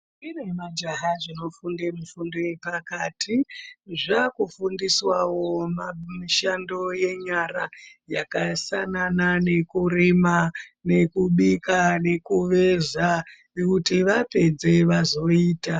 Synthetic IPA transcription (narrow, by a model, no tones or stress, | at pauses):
miremad͡ʒaɦaʐino̞fundemufundojepakaːtʰiʐakufundiswawo̞mamiʃando̞je̞ɲarajakasananane̞kuɾimane̞kuɓikane̞kuʋe̞za | kutiʋape̞d͡ze̞ʋazo̞iːta